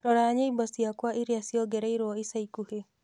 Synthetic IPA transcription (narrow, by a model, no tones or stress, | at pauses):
ɾɔɾaːɲeibɔsiakwaʔiɾeasjɔɡɛɾɛiɾɔisaikuhe